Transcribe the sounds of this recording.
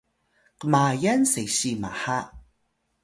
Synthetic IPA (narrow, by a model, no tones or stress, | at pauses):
kəmajansejɕima̰ha